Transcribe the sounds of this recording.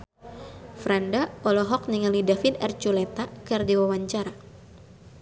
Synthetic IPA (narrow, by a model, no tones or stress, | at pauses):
fɾandaɔlɔɦɔk̚niŋalidafinɛrt͡ʃulɛt̪akardiwawaɲt͡ʃaɾa